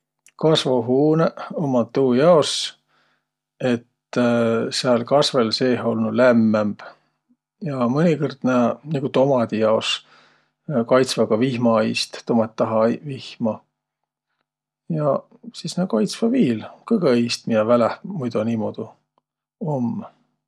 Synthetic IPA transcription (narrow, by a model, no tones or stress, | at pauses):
kɑsvoɦuːneomːɑt̪ːuːjɑos | e̞t̪ | seɑlkɑsvelse̞ːho̞lnulæmːemb̥ | jɑmɤnʲikɯrd̪̥næniɡ̥ut̪o̞mɑd̪̥ijɑos | kɑjt̪svɑɡɑvihmɑjst̪t̪ːomɑt̪ʲːɑɦɑvihmɑ | jɑ | sisnekɑjt̪svɑviːlkɤɡejst̪mijɑvælehmujd̪uniːmod̪̥u | omː